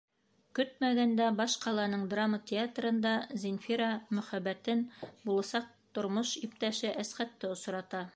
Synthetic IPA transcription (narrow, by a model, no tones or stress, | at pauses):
kɵt̪mæɡænd̪æbɑʃqɑlˠɑnɤɴd̪ramːət̪ʲɪat̪rɤ̆nd̪ɑzʲɪnfʲiɾamɵ̆χæbːæt̪ɘnbulˠɑsɑq̚t̪ŏɾmoʃip̚t̪æʃɘʔæsχæt̪ːɘŏs̆ɾɑt̪ɑ